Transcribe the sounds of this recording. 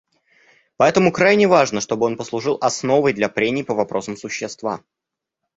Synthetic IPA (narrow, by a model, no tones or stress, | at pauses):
pɐɛt̪əmʊkɾajnʲɪvaʐnəʂt̪o̞bɨo̞npəslˠʊʐɨlˠʔɐsno̞vəjd̪lʲɐpɾʲenʲɪːpəvɐpɾo̞səmsʊɕːɪst̪va̰